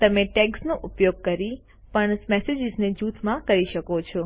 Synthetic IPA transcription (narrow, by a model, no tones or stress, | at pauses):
t̪əmeʈeksnoʔʊpjoɡ̚kəɾi | pəɳsmɛsed͡ʒɪzned͡ʒut̪ʰmãkəɾiʃəkot͡ʃʰɔ